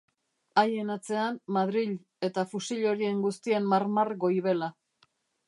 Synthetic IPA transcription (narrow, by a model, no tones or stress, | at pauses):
aje̞nat͡se̞anmaðɾiʎ | e̞t̪afusiʎo̞ɾie̞ŋɡust̪ie̞mːaɾmarɡo̞jβe̞la